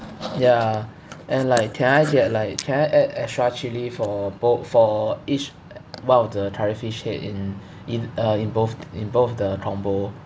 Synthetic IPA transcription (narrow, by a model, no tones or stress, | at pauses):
ja | ʔɛ̃nlaɪkʰːɛ̃naɪɡɛt̚laɪkʰːɛ̃naɪʔɛtɛstɹat͡ʃilifɔbofɔit͡ʃ | wãnɔfdətʰaɹifiʃhḛtĩn | ĩnʌĩnbofĩnbofdətʰɹɔ̃mbo